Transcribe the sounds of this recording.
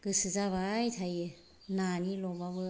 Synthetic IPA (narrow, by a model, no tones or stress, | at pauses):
ɡ̥ɯsɯzaβajtʰaj | nanilɔbaβɯ